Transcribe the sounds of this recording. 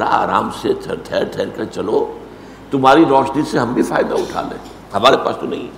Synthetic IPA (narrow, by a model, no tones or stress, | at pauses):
ɾa̰a̰ːɾa̰ːmsetʰʈʰɛːɾʈʰɛːɾkɐt͡ʃɐlo | t̪ʊmɦaːɾiɾɔːʃniseɦɐmbʱifaːɪd̪aʊʈʰa̰ːlḛ̃ː | ɦɐmaːɾepa̰ːst̪onɐ̰ɦĩ